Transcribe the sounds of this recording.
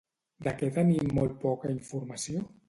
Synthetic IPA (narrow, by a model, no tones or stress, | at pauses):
d̪akɛt̪ənimolˠt̪̚pɔkaiɱfuɾmasio